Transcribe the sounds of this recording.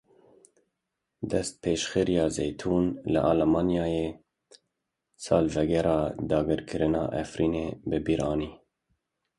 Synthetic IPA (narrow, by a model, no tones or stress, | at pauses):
d̪ɛst̪̚pʰeːʃxɨɾijɑːzejt̪ʰuːnlɪ̰ʔɑlmɑːnjɑːjeː | sɑːlvɛɡɛɾɑːd̪ɑːɡɨɾkʰɨɾɨnɑ̰ːʔɛ̰fɾiːneːbɨbiɾʔɑːniː